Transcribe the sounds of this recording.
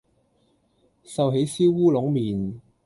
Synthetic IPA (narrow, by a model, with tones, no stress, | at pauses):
sɐ˨wɦe˨˥jsiː˥wwuː˥lʊ˨˥ŋmiː˨˩n